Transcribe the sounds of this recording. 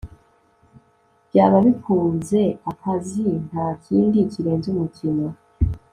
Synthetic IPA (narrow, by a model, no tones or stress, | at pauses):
bjaːβaβifuːnze̞akʰazintaciːndiciɾe̞nzumucino